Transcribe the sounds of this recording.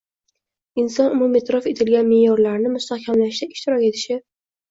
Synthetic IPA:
ɪnsɒnʊmumet̪ʰɾɒfe̞t̪ʰɪlɡʲanmejɒɾlaɾnɪmʊst̪ahkʲʰamlaʃd̪aɪʃt̪ɪɾɒkʲe̞t̪ʰɪ̥ʃɪ

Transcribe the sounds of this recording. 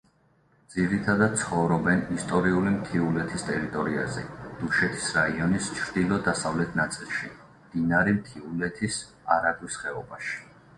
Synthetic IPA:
d̪z̥iɾit̪ʰad̪ad̪̥̚tsʰχɔvɾɔbɛnist̪ʼɔɾiulimt̪ʰiulɛt̪ʰist̪ʼɛɾit̪ʼɔɾiazɛd̪̥uʃɛt̪ʰi̥sɾaiɔnist͡ʃʰɾd̪̥ilˠɔd̪asavlɛt̪ʰnat̪sʼilˠʃi | md̪̥inaɾimt̪ʰiulɛt̪ʰis | aɾabisχɛɔbaʃi̥

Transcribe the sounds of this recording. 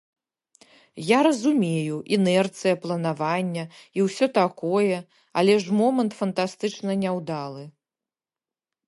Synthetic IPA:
jaɾɐzumʲejuʔinɛrt̪sɨjɐplˠɐnavanʲːɐiwsʲɔt̪akɔjɛ | a̰lʲɛʂmɔmɐnt̪fɐnt̪ast̪ɨt͡ʂnɐnʲɛwd̪alˠɨ

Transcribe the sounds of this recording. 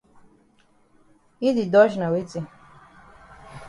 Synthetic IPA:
id̪id̪ɔʃnawit͡si

